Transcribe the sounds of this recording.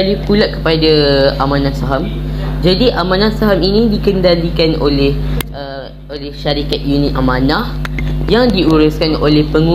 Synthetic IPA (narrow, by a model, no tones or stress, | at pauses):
alipulaʔkə̥padaamãnãsaɦamd͡ʒadiʔamãnãsaɦaminĩdikəndalikano̰lehʔə | olɛhʃaɾikat̪̚junĩt̪ʔamãnahjaŋdiuɾʊskano̰lehpəŋũ